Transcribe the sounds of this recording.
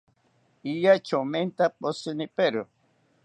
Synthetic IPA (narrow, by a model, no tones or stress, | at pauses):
ijat͡ʃoment̪aposɨnipeɾʊ